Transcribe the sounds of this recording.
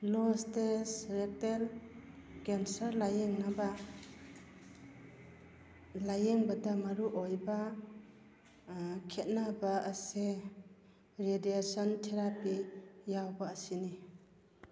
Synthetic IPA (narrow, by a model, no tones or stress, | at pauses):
lostesɾek̚tel | kensɐɾlajeŋnaba | lajeŋbadamaɾuʔɔjba | kʰet̚nabaːse | ɾediasɔntʰeɾapijawbaːsini